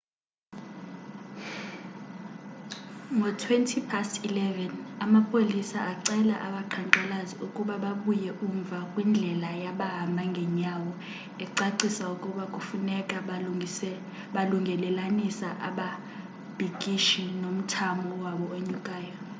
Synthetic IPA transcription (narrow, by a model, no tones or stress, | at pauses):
ŋɡʱɔtʰwentʰipʰastʰilɛvɛnamapʰolisaʔaǀɛla̰ʔaɓaǃʰaŋǃalaziukʼuɓaɓaɓujɛʔuɱvʱakʼwind͡ɮʱɛlajaɓaɦambʱaŋɡʱɛɲawɔ | ɛǀaǀisaukʼuɓakʼufunɛkʼa | aluŋɡʱɛlɛlanisaʔaɓa | b̥ʱikʼiʃinom̩tʰambʱɔwaɓɔeɲukʼaːjɔ